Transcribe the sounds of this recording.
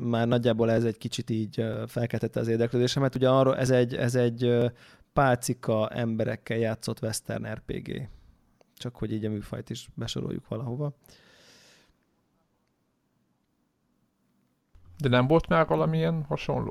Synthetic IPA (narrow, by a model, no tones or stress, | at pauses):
maːrnɒɟːaːboːlɛzɛɟkit͡ʃit̪iːɟøfɛlkɛlt̪ɛt̪ːɛɒzeːrd̪ɛkløːd̪eːʃɛmɛrt̪uɟɛɒroːlʔɛzɛɟːɛ̰zɛɟø | paːlt̪sikɒɛ̰mbɛɾɛ̰kːɛljaːt̪so̞t̪ʋɛst̪ɛ̰rnɛrpḛːɡḛː | t͡ʃɒkho̞ɟiːɟɒmyːfɒ̰jt̪iʃbɛʃo̞̰ɾo̰jṵkʋɒlɒɦo̞vɒ | d̪ɛnɛmvo̞lt̪maːrʋɒlɒmijɛnhɒʃo̰nloː